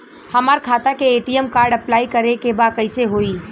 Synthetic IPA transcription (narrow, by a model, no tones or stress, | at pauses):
hɐmaːɾkʰaːt̪akeeːʈiːɛmkaːɾɖɐplaːikɐɾekebaːkɐɪseɦoːiː